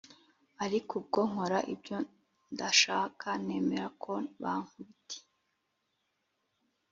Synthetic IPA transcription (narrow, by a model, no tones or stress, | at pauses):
aɾikub̚ɡoŋ̥o̞ɾaʔibjo | ndaʃaːkʰane̞ːmeɾakʰo̞βa̰ŋuitʰe̥